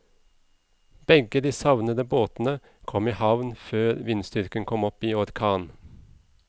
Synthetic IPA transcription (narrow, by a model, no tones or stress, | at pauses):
b̥ɛɡəd̪iːsɑʋnəd̪əboːt̪n̩ə | kʰɔmiːhɑʋnføːɾʋɪnst̪ʏɾkənkʰɔmɔpiːɔɾkʰɑːn